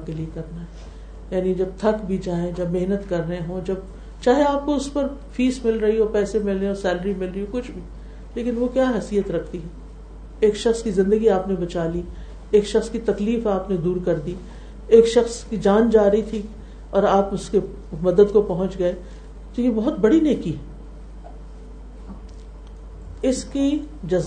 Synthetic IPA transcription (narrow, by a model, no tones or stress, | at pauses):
akeliekɐɾnaɦɛː | jaːnid͡ʒɐb̚t̪ʰɐkbʱid͡ʒaːẽd͡ʒɐbmeɦnət̪kɐɾːɐɦẽɦõd͡ʒɐb̚ | t͡ʃaːɦeaːp̚koʊspɐɾfiːsmɪlɾɐɦiɦõpɛːsemɪlːeosɛːləɾimɪlɾɐiɦõkʊt͡ʃʰbʱi | leːkɪnʋokjaːɦɛsiːət̪ɾɐkʰt̪iɦɛː | eːkʃɐxskizɪ̃nd̪əɡiaːpnebɐt͡ʃaːli | eːkʃɐxskit̪ɐkliːfaːpned̪uːɾkɐɾd̪i | eːkʃɐxskid͡ʒaːnd͡ʒaːɾɦit̪ʰi | ɔːɾaːpʊske | mɐd̪əd̪kopɐɦʊ̃nt͡ʃɡɐe | t̪ojebɔɦʊt̪̚bɐɽineːkiɦɛ | ɪski | d͡ʒɐz